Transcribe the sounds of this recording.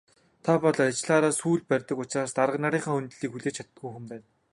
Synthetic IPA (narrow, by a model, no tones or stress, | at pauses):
t̪ʰapɔɮat͡ɕɮaːɾaːsuːɮpærʲt̪ə̆kʊt͡ɕraːst̪aɾə̆knaɾiːɴχaːunt̪ɮiːkxuɮeːt͡ɕʰḁt̪ɡujxŭmpæːn